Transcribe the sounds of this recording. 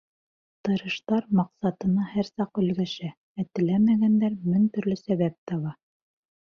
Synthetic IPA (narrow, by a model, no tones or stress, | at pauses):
t̪ɤ̆ɾɤ̆ʃt̪ɑɾmɑqsɑt̪ɤ̆nɑhæɾsɑqɵ̆lɡæʃæ | æt̪ɘ̆læmæɡænd̪æɾmɵnt̪ɵ̆ɾlɵsæβæp̚t̪ɑβɑ